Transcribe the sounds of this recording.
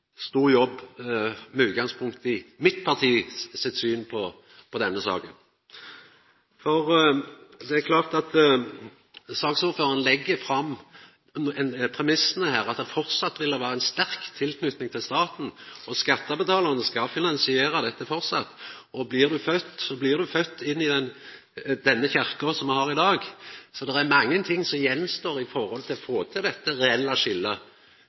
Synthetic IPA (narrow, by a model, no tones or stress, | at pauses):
st̪uːʁjɔbː | mɛʉːt̪̚ɡɑŋspʰʊŋkt̪ɪmɪt̪pʰɑʁt̪ʰiːsɛt̪syːnpʰɔ | pʰɔd̪ɛnːəsɑ̰ːkən | fɔʁ | d̪ɛækʰlɑːʁt̪ɑt̪ | sɑːksuːɾføːʁɑnlɛɡːəfɾɑmː | ɛnpʰʁɛmɪsnəhæːʁɑt̪d̪ɛfɔʁtsɑt̪ːʋɪldəʋæːɾəæɛnst̪æɾkt̪ʰːɪlkʰnʉt̪nɪŋt̪ʰɪlst̪ɑːt̪n̩ɔskɑt̪ːəbət̪ʰɑːlɑɾənəskɑfɪnɑnsɪeːɾɑd̪ɛt̪ːəfɔɾsɑ̰t̪ːɔblɪʁd̪ʉfœt̪ːɔblɪʁd̪ʉfœt̪ːɪnːɪd̪ɛn | d̪ɛnːəçæɾkɔsɔmʋɛhɑɾɪd̪ɑːɡsɔd̪ɛɾæɾmɑŋːənt̪ʰɪŋːsɔmjɛnːst̪oːɾɪfɔɾhɔlt̪ʰɪlɔfoːt̪ʰɪld̪ɛt̪ːəɾɛɛlːɑʂɪlːə